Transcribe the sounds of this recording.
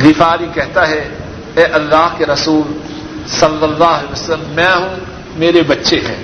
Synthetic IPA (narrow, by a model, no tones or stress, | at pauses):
ɣɪfaːɾikɛɦt̪aɦɛ | ɛːʔɐlːaːɦkeɾɐsuːl | sɐlːəlːaːɦiəsələmːɛ̃ːɦũ | meːɾebɐtːʃeɦɛ̰̃ː